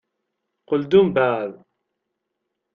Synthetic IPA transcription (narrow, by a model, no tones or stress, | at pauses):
qəld̪umbæð